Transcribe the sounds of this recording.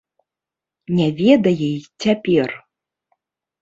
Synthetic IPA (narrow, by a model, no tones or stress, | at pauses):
nʲɛvʲɛd̪ɐjɛjt͡sʲapʲɛr